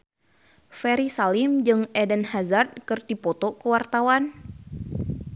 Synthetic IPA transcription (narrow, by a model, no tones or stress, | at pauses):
fɛɾisalimd͡ʒɨŋɛdɛnhazard̪̚kɨrt̪ipot̪okəwart̪awan